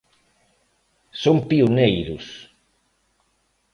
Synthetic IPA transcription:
sompiunejɾus

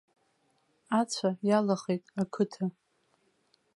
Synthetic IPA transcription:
at͡sʷʰajalaχejtʼakʰɨtʰa

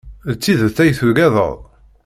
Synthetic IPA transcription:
ðt͡sːiðəθæjθuɡæðˤə̰ðˤ

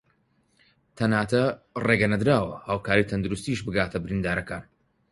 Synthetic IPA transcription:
t̪ʰɐnaːt̪ʰɐreːɡɐnɐd̪ɾaːwɐhaːwkʰaːɾit̪ʰɐnd̪uɾust̪iːʃbɨɡaːt̪ʰɐbɪɾind̪aːɾɐkaːn

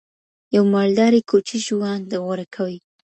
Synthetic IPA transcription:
jawmald̪ɑɾikʰot͡ʃiʒwɑnd̪əɣwaɾakʰawi

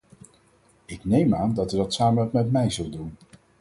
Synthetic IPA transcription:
ɪknejmaːndɑtydɑtsaːmənpmɛtmɛjzɵlˠdun

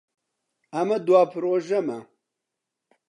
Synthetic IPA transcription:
ɐmɐd̪uwaːpʰɨɾoːʒɐmɐ

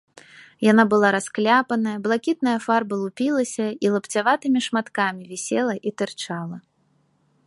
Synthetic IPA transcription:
janabɨlˠaɾasklʲapɐnɐjɐblˠakʲit̪̚nɐjɐfarbɐlˠupʲilˠɐsʲɐilˠɐpt͡sʲavat̪ɨmʲiʂmat̪kamʲivʲɛsʲɛlˠɐʔit̪ɨrt͡ʂalˠɐ

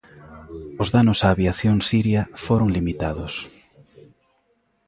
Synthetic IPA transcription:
ʊzðanosaːβjaθjoŋsiɾjafoɾoŋlimit̪aðos

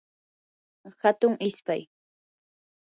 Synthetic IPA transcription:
hat̪ʊŋɪspaj

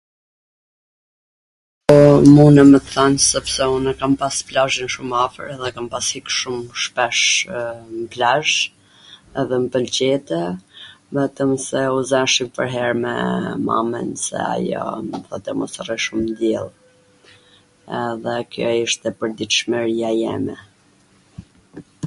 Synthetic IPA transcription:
pɔmunɛmət̪θansɛpsɛunɛkampasplaʒinʃumafə̰ɾɛðɛkampashikʃumʃpɛʃ | məplaʒ | ɛðɛməpəlt͡ɕɛt̪ɛvɛt̪əmsɛuzɛʃipə̰ɾɦɛɾmɛ̰ma̰mɛ̰nsɛ̰a̰jɔ̰məθɔt̪ɛmɔ̰sriʃumnd̪jɛlˠ | ɛðɛkjɔiʃt̪ɛpəɾd̪it̪ʃmɛɾiajɛ̰mɛ̰

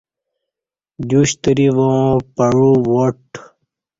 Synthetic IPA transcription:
d͡ʑuɕt̪ɾiʋoõpɐɻuwoʈ

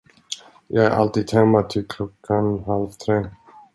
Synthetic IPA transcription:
jɑːɡæʔa̰lt̪iːd̪hɛmːat̪ʰɪlkʰlɔkʰːanɦalvt̪ʰɾeː

